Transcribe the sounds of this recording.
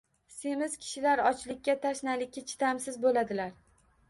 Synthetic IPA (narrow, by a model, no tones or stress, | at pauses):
se̞mɪzkʲʰɪ̥ʃɪlaɾɒt͡ʃlɪk̚ʲːat̪ʰaʃnalɪkʲʰːat͡ʃʰɪ̥t̪amsɪzbolad̪ɪlaɾ